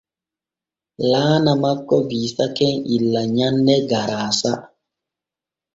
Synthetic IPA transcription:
laːnamakːɔbiːsakɛŋilːaɲanːɛɡaɾaːsa

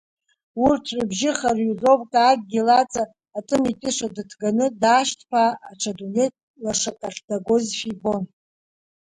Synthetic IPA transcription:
urtʰʕʷʊbʒɪχarjuzopʼtʼaɡ̚ʼɡʲilat͡sʼaː | tʼɨmitʼɨʂadɨtʰɡanɨdaːʃtʰpʰaːʈ͡ʂʰadunetʼ | laʂatʼaχʲdaɡo̞zʃibo̞n

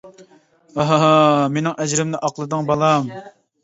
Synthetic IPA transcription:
oɦɦɑmenɪŋʔɛd͡ʒɾɪmnɪʔɑqlˠɨd̪ɨŋbɑlˠɑm

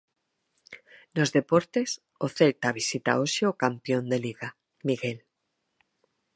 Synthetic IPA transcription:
nozðepoɾt̪es | oθelt̪aβisit̪a̰oʃeokampjond̪eliɣa | miɣel

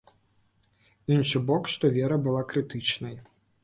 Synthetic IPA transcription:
inʂɨbɔkʂt̪ɔvʲɛɾɐbɨlˠakɾɨt̪ɨt͡ʂnɐj

